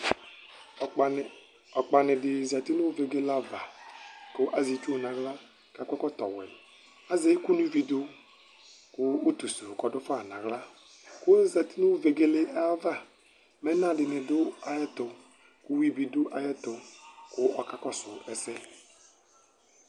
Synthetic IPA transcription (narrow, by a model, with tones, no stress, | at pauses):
ɔ˨k͡pa˨nɪ˨dɪ˨za˨ti˦nu˦ve˨ɡe˦la˦va˨kʊ˦ʔa˦zi˨˦t͡ʃu˦o˨nã˨ɡla˦ | ka˦kɔ˦kɔ˦tɔ˨wɛ̰˨ | a˦ze˦ku˦nu˦vi˨dʊ˦ | kʊ˦o˦t̪u˨su˨kɔ˨˦dʊ˦fa˦˨nã˨ɡla˦ | kʊ˦za˨ti˦nu˦ve˨ɡe˦le˦ʔa˦va˦˨ | mɛ˦na˦dɪ˨nɪ˨dʊ˦a˨jɛ˦tʊ˨ | ku˦wi˦bi˨dʊ˦ʔa˨jɛ˦tʊ˨kʊ˦ɔ˨ka˦kɔ˦sʊ˨ɛ˨sɛ˦